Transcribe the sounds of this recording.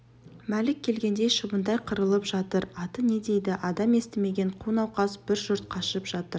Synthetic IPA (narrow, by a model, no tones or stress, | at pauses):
mælɪk̚ʲʰːe̞lɡʲe̞nd̪e̞jʃəbənd̪ɑjqʰəɾəlˠəpʒɑt̪əɾɑt̪əne̞d̪e̞jd̪ɪʔɑd̪ɑme̞st̪ɪme̞ɡʲe̞ɴqʰunɑwqɑsb̥ɪɾʒʊɾt̪̚qʰɑʃəpʒ̥ɑt̪əɾ